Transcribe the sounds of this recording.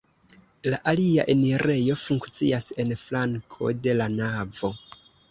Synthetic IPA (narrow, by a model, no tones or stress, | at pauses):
laʔaliaʔe̞neɾʔe̞jo̞fuŋkt͡siase̞nflaŋkʰo̞̰de̞lanavo̞